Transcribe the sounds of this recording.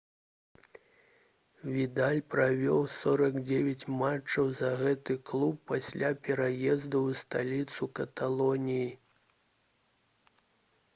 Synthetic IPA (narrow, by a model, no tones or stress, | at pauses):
vʲid̪alʲpɾavʲɔwsɔɾɐɡd͡zʲevʲat͡sʲmat͡ʂɐwzɐɣɛt̪ɨklˠupːasʲlʲapʲɛɾajɛzd̪uwst̪alʲit̪sukɐt̪alˠɔnʲiji